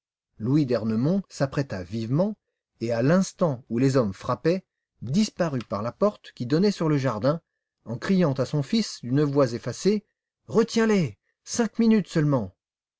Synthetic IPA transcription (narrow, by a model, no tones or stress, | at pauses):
lwid̪ɛʁnəmɔ̃sapχɛt̪avivmɑ̃ | ealɛ̃st̪ɑ̃ulezɔmfχapɛ | d̪ispaʁypaʁlapɔʁt̪kʲid̪ɔnɛsyʁləʒaʁd̪ɛ̃ | ɑ̃kχijɑ̃t̪asɔ̃fisd̪ynəvwazefase | ʁət̪jɛ̃lɛ | sɛ̃kminyt̪sœlmɑ̃